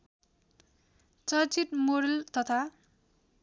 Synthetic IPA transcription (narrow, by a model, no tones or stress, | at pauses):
t͡sʌt͡siʈ̪moɾʌlt̪ʌt̪ʰa